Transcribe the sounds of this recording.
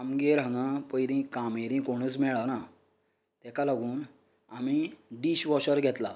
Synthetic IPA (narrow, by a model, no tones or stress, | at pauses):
amɡeɾãŋapəjɾĩkameɾĩkoɽ̃ət͡smɛɭana | t̪ɛkalaɡuːn | amiɖiɕʋɔɕəɾɡʱɛt̪la